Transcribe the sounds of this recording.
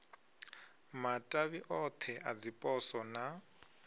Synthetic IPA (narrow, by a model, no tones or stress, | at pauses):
matʼaβiʔɔt̪ʰɛʔad͡zipʼɔsɔna